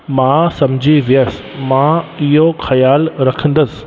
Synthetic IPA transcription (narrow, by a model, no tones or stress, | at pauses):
mãsɐmd͡ʑʱiʋijəs | mãɪɦoxɐjaːlɾɐkʰə̃nd̪əsɪ̥